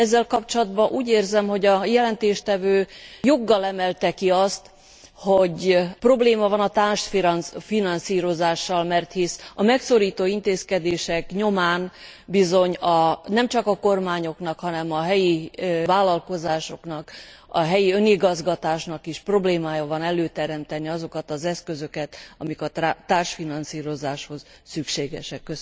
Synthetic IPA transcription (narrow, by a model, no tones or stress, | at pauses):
ɛzːɛlkɒpt͡ʃolɒd̪bɒʔuːɟeːrzɛmho̞ɟɒjɛlɛnt̪eːʃt̪ɛvøːjo̞ɡːɒlɛmɛlt̪ɛkiɒst̪ | ho̞ɟpro̞bleːmɒvɒnɒt̪aːnʃt̪ffinɒnsiːɾo̞zaːʃːɒlmɛrt̪hisɒmɛkso̞ɾiːt̪oːint̪eːskɛd̪eːʃɛkɲo̞maːnbizo̞ɲɒnɛmt͡ʃɒkɒko̞rmaːɲo̞knɒkhɒnɛmɒɦɛjivaːlɒlko̞zaːʃo̞knɒkɒ̰ɦɛjiø̞niɡɒzɡɒt̪aːʃnɒkiʃpro̞bleːmaːjɒvɒnɛløːt̪ɛɾɛmt̪ɛniɒzo̞kɒt̪ɒzɛskø̞zø̞kɛt̪ɒmikɒt̪aːrʃfinɒnsiːɾo̞zaːʃho̞zsykʃeːɡɛ̰ʃɛkːø